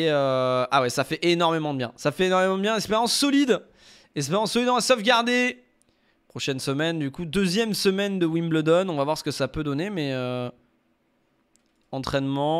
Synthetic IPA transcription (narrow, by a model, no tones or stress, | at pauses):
eøawɛsafɛʔenɔʁmemɑ̃d̪əbjɛ̃safɛːnɔʁmemɑ̃d̪əbjɛ̃ɛkspeʁjɑ̃sːɔlid̪ | ɛkspeʁjɑ̃sːɔlid̪ɑ̃sɔfɡʲaʁd̪e | pχɔʃɛnsəmɛnd̪ykud̪øzjɛmsəmɛnd̪əwimbləd̪ɔnɔ̃vavwaʁsə̥kəsapød̪ɔnemɛø | ɑ̃t̪χɛnmɑ̃